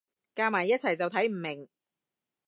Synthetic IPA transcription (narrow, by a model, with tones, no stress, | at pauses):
kaː˧maː˨˩jːɐ˥t̚t͡sʰɐ˨jt͡sɐ˨wt̪ʰɐ˨˥jm̩˨˩mɪ˨˩ŋ